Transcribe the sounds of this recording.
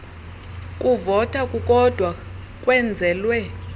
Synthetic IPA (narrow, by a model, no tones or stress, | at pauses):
kʼuvɔtʰakʼukʼɔd̥ʱwa | kʼwɛnd͡zʱɛːlwɛ